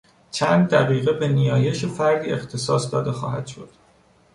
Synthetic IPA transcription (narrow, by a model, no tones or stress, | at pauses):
t͡ʃʰænd̪ːæɣiːɣebe̞nijɒːjeʃefæɾd̪iext̪ʰe̞sɒːsd̪ɒːd̪e̞xɒ̰ːhæd̪̥ʃo̞d̪̥